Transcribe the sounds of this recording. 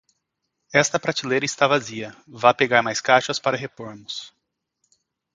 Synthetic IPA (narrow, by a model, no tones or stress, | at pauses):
ɛst̪ɐpɾat͡ʃilejɾɐist̪avaziɐ | vapeɡaɾmajskaʃɐspaɾɐɦepoɾmʊs